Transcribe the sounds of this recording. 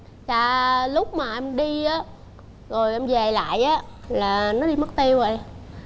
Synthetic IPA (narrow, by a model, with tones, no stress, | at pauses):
t͡ɕaː˧˨˩lʊ˦˥k͡p̚maː˨˩ʔɛ˧mɗi˧ʔaː˨˦ | zo˨˩jʔɛ˧mve˨˩la̰ː˧˨jʔaː˨˦laː˨˩nɔ˨˦ɗi˧mə˦˥k̚t̪i˧wvə˨˩j